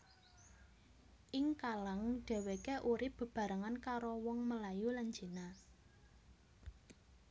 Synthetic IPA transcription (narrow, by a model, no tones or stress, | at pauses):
ʔɪŋkalaŋɖ̥ɛ̤wekeʔuɾɪpb̚b̥ə̤b̥ä̤ɾaŋankaɾowɔŋməlajuland͡ʒi̤na